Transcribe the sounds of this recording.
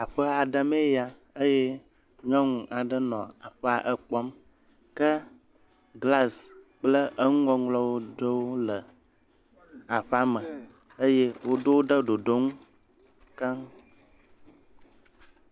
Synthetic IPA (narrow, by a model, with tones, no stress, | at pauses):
a˨ɸə˦a˨ɖə˦me˦ja˦ | ə˦je˦ | ŋə̃˦ŋũ˨ʔa˨ɖə˦nɔ̰̃˨a˨ɸə˦a˨ʔə˨k͡pɔ˦m | kə˦ | ɡla˦˨s | k͡plə˦ʔə˦ŋu˦ɔ˦ŋlɔ˦wo˦ɖə˦wo˦lə˨ | a˨ɸa˦mə˨ | ə˦je˦wo˦ɖo˦wo˦ɖə˦ɖo˨ɖo˦ŋũ˦ | ka˦ŋ